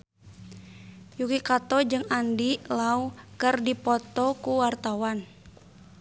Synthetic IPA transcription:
jukikat̪ɔd͡ʒɨŋandilaukɨrdipɔt̪ɔkuwart̪awan

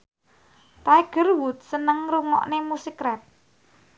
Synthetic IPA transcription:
t̪aiɡ̥ə̤rwut̪̚sənəŋɾuŋɔ̰ʔnemusikɾɛt̪̚

